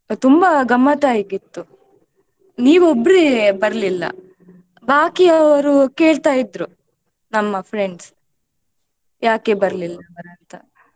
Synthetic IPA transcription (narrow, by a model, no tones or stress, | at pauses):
t̪umbɐɡɐmːɐt̪aːjiɡit̪ːu | niːʋobːɾibɐɾɐlilːɐ̰ | bʱaːkiɐʋɐɾuke̞ːɭt̪aːjid̪ɾu | nɐmːɐpʰɾe̞ɳɖs | jaːkebɐɾlilːɐbɐɾɐnt̪ɐ